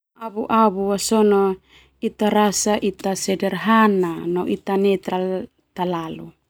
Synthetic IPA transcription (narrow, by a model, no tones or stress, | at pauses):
aβuʔaβuwasono | it̪aɾasaʔit̪asɛdɛrɦananoʔit̪anɛt̪ɾal | t̪alalu